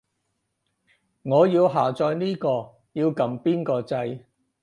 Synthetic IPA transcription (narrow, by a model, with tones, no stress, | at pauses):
ŋɔː˨˧jiː˧wɦaː˨˩t͡sɔː˧jniː˥kɔː˧ | jiː˧wkɐ˨mpiː˥nkɔː˧t͡sɐ˧j